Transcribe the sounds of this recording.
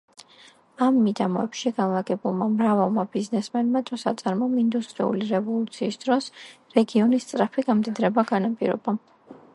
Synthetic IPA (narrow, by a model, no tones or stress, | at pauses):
amːid̪amɔɛpʃiɡanlˠaɡɛbulˠmamɾavalˠmabiznɛsmɛnmat̪ʼɔsat̪sʼaɾmɔmind̪ust̪ʼɾiṵliɾɛvɔlˠut̪sʰiːsd̪̥ɾɔsɾɛɡiɔnist̪sʼɾapʰiɡamd̪id̪ɾɛbaɡanapʼḭɾɔ̰ba